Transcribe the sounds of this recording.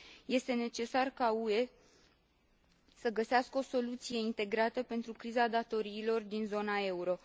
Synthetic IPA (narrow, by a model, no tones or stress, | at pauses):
je̞st̪e̞ne̞t͡ʃe̞sarkaue̞ | səɡəseaskəo̞so̞lut̪sije̞int̪e̞ɡɾat̪əpe̞nt̪ɾukɾizad̪at̪o̞ɾiːlo̞rd̪inzo̞nae̞uɾo̞